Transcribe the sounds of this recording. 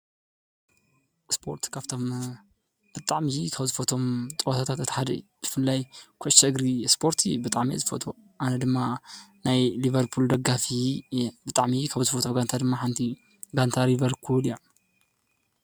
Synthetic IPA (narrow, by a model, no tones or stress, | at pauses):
spʰo̞̰ɾt̪kʰaβt̪ʰom | b̥ɨt̪ʼaʕmikʰaβzɨfɐt̪ʰo̞mt̪ʼɨwot̪ʰat̪ʰat̪ɨt̪ʰħad̪ɐ̰jb̥ɨ̥fɨlːajkʰot͡ʃɐɡɾispʰo̞ɾt̪ʰibɨt̪ʼaʕmḭzɨfɐ̰t̪ʰo | ʔanɐd̪ɨmːanajlivɐɾpʰuld̪ɐɡafibɨt̪ʼaʕmikʰaβzɨfɐt̪ʰoɡant̪ʰad̪ɨmːaħant̪ʰi | ɡant̪ʰaɾivɐɾpʰuljo